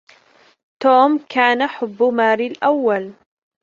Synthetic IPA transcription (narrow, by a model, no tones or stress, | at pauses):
t̪oːmkaːnaħʊbːʊmaːɾilʔawːal